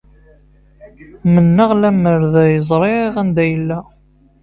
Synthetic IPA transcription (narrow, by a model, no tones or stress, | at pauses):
mənːəʁlæməɾðæjəzˤɾˤeiʁænd̪æjəlːæ